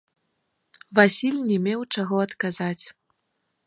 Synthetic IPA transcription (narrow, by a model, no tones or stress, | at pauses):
vasʲilʲnʲɛmʲɛwt͡ʂaɣɔɐt̪kazat͡sʲ